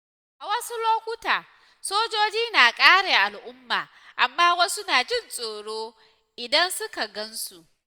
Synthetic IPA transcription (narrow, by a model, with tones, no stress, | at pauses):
ʔa˨wɐ˦su˦loː˦kʷʊ˦taː˨ | soː˦d͡ʒoː˦d͡ʒiː˦naː˨kʼaː˦ɽeː˨ʔa˨lʔʊ˦mːaː˨ | ʔa˨mːaː˦wɐ˦sʊ˦naː˨d͡ʒɪ˦˨nsʼoː˨ɽoː˦ | ʔɪ˨dɐ˦nsʊ˦ka˨ɡɐ˦nsu˨ʔ